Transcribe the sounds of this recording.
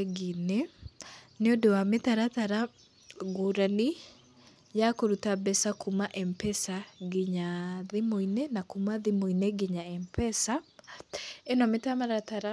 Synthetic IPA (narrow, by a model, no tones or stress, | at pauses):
ɡinɛ | neodowametaɾataɾa | ɡoɾani | jakoɾutabɛsakumaʔɛmpɛsaɡeɲaðemoinɛnakumaðimoinɛɡeɲaɛmpɛsa | ɛnɔmetamaɾataɾa